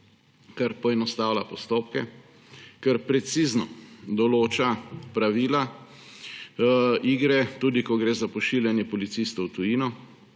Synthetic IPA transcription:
kaɾpɔɛnɔst̪aːwlapɔst̪oːp̚kɛ | kaɾpɾɛt̪siːznɔd̪ɔloːt͡ʃapɾaʋiːla | iːɡɾɛt̪uːd̪ikɔɡɾeːzapɔʃiljanjɛpɔlit̪sist̪ɔwt̪ujiːnɔ

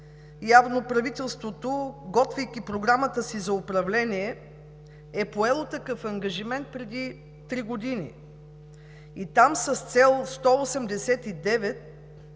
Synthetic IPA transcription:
javnopɾɐvit̪ɛlˠst̪vot̪oɡɔt̪vijk̟ʲipɾoɡɾamət̪əsizɐʊpɾɐvlɛniɛ | ɛpoɛlˠot̪ɐkɤfɐŋɡɐʒimɛnt̪̚pɾɛd̪i | t̪ɾiɡod̪inḭ | it̪amsɐst̪sɛlˠst̪ɔosɛmd̪ɛsɛt̪id̪ɛvɛt̪̚

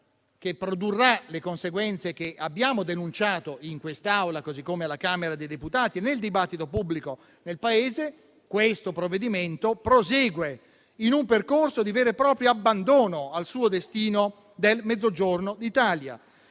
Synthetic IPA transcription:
k̟epːɾod̪urːalekonseɡwɛnt̪sekeʔabːjaːmod̪enunt͡ʃaːt̪oiŋkwest̪aawlakozikːomealakaːmeɾad̪ejd̪eput̪aːt̪ineld̪ibat̪ːit̪opubːliko | nelpaeːze | kwest̪opɾovːed̪iment̪opɾozɛːɡwe | inumperkorsod̪iveːɾepɾɔːpɾjoabːand̪oːnoalsuːod̪est̪iːno | d̪elmed̪zːod͡ʒornod̪it̪aːlja̰

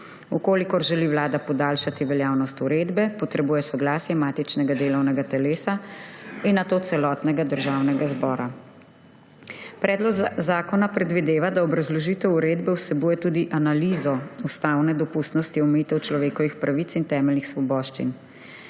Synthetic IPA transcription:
ukoːlikɔɾʒɛliːwlaːd̪apɔd̪aːlʃat̪iʋɛljaːwnɔst̪uɾeːd̪bɛpɔt̪ɾɛbuːjɛsɔɡlaːsjɛmaːt̪it͡ʃnɛɡad̪eːlɔwnɛɡat̪ɛleːsainːat̪ot̪sɛlɔt̪nɛɡad̪əɾʒaːwnɛɡazbɔːɾa | pɾʔɛːd̪lɔɡzaːkɔnapɾɛd̪ʋid̪eːʋad̪aɔbɾazlɔʒit̪ɛwuɾeːd̪bɛwsɛbuːjɛt̪uːd̪iʔanalizɔust̪awnɛd̪ɔpust̪nɔst̪iɔmɛjit̪ɛwt͡ʃlɔʋeːkɔʋixpɾaʋit̪sint̪ɛːmɛlnixsʋɔbɔːʃt͡ʃḭn

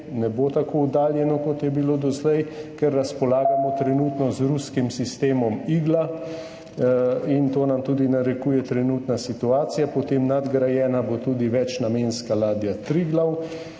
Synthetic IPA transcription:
nɛboːt̪akoud̪aːljɛnɔkɔt̪jɛbiloːd̪ɔzlɛjkɛɾːaspɔlaːɡamɔt̪ɾɛnuːt̪nɔzɾuskimsist̪eːmɔmiːɡla | int̪oːnamt̪uːd̪inaɾɛkuːjɛt̪ɾɛnut̪nasit̪uaːt̪sijapɔt̪eːmnad̪ɡɾajɛːnabot̪uːd̪iʋɛt͡ʃnameːnskalaːd̪jat̪ɾiɡlaw

